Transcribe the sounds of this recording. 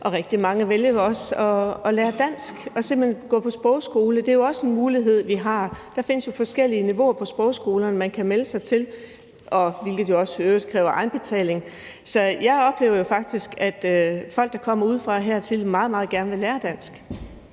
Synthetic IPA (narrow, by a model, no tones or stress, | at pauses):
ʔɒ̽ʁeɡ̥̚d̥imɑ̈ŋəʋeljɐjoɒ̽sɒ̽ɒ̽leːɐd̥æn̰sɡ̥ɒ̽se̝m̰̥henɡ̥ɔ̰̽ːpʰɒ̽sb̥ʁɒʊsɡ̥o̝ːləd̥e̝æjo̝ɒ̽səe̝nmuːliɦe̝ð̞̰ˠʋiɦɑ̈d̥ɑ̈fe̝nəsjo̝fɒ̽sɡ̥el̰iəniʋo̝ɐpʰɒ̽sb̥ʁɒʊsɡ̥o̝ːlɐnəmænkʰæmeləsɑ̈ɪt͡sʰe̝l | ʔɒ̽ʋe̝lɡ̥ð̩ˠjo̝ɒ̽søːd̥kʰʁɛ̰ːʊɐʔɑ̈ɪnb̥e̝t͡sʰɛ̰ːle̝ŋ | sɒ̽jɑ̈ɪɒ̽b̥le̝̰ʊɐjo̝fɑ̈ɡ̥̚d̥isɡ̥æd̥fɒ̽l̰ɡ̥d̥ɑ̈kʰɒ̽m̰ɐuːð̞ˠfʁɑ̈ɦæɐ̰t͡sʰe̝lmɑ̈ːð̞̩ˠmɑ̈ːð̩ˠɡ̥æɐnəʋe̝læːɐd̥æn̰sɡ̥